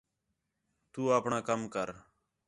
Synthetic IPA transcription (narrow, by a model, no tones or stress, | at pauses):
t̪uːaːpɳãːkəmkəɾ